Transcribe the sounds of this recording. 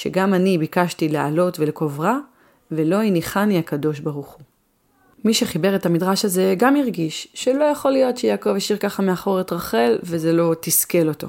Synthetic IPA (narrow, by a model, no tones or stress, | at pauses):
ʃe̞̰ɡamanibikaʃtileʔa̰lo̞tveleko̞vʁa | velo̞iniχaniakado̞ʃbaʁuχu | miʃe̞χibe̞ʁe̞tamidʁaʃaze̞ɡamiʁɡiʃʃe̞lo̞jaχo̞lijo̞tʃejaːko̞vaʃiʁkaχameaχo̞ʁetʁaχe̞lveze̞lo̞tiske̞lo̞to̞̰